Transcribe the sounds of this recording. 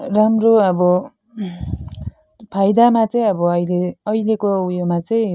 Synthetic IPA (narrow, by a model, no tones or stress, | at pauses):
ɾamroʌbʌ | pʰajd̪amat͡sʌj̃ʌbʌʌjleʌjlekowjomat͡sʌj̃